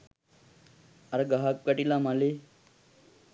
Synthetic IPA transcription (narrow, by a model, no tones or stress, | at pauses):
aɾɡaɦakkəʈilamale